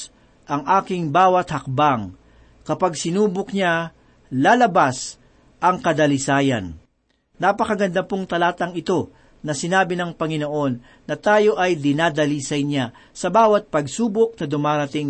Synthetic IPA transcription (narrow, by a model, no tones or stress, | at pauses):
ʔɐŋʔaːkɪŋbaːwɐt̪̚hɐk̚baŋ | kɐpaɡsɪnuːbʊkɲa | laːlɐbas | ʔɐŋkɐd̪ɐlɪsaːjɐnː | apɐkɐɡɐnd̪ɐpoŋt̪ɐlaːt̪ɐŋɪt̪o̞ | nɐsɪnaːbɪnɐŋpɐŋɪno̞ʔo̞nː | ɐt̪aːjo̞ʔɐjd̪ɪnaːd̪ɐlisɐjɲa | sɐbaːwɐt̪̚pɐɡsuːbʊk̚nɐd̪ʊmaːɾɐt̪ɪŋ